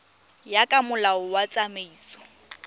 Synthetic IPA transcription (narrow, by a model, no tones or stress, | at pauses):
jakʼamʊlaʊwat͡sʼameiːsɔ̥